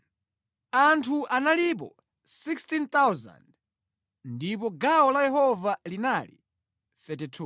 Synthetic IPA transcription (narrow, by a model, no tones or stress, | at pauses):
antʰuʔanalip̬ɔ̰ | sikstint̪awza̰nd | ndipɔɡaɔlajɛɦɔvalinalḭ | θɛtitʰu